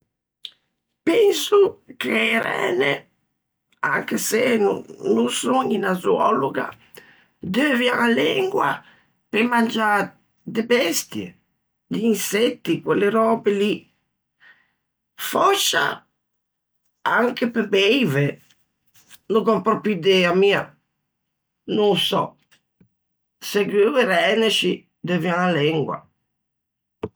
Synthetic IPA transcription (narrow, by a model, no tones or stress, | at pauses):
pɛnsukʰeːɾɛ̰ːnḛ | a̰ŋkesenunusoɲinazuɔluɡa̰ | d̪øvjaalɛŋɡwa̰ | pemand͡ʒa | d̪ebɛst̪jḛ | d̪iːnsɛt̪ːikweleɾɔːbeli | fɔʃa̰ | aŋkepebɛjve | noɡɔmpɾɔpid̪ɛamiːa | nõŋsɔ̰ | seɡøleɾɛneʃi | d̪øvjãŋalɛŋɡwa̰